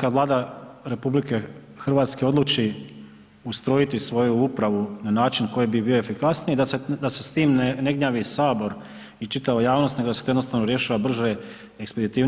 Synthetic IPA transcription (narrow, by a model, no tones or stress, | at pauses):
kaʋlˠaːd̪aɾe̞publike̞ | xr̩ʋaːt̪ske̞o̞d̪lˠut͡ʃi | ust̪ɾo̞jit̪isʋo̞juupɾaʋunanaːt͡ʃinko̞jebibioefikasnijed̪ased̪ase̞st̪iːmnne̞ɡɲaːʋisaːbo̞ɾ | it͡ʃit̪aʋajaːʋno̞st̪neɡoaset̪oenost̪aʋnoɾje̞ʃaːʋabr̩ʒe | eksped̪it̪iː